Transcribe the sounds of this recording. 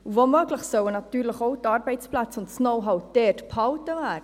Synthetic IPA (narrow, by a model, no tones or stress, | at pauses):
uvomøɡləχsœwənɑtyːɾləχowtɑrbɛɪt͡splat͡sʊntsnowɦɑwdeːrtpʰɑwtəvæː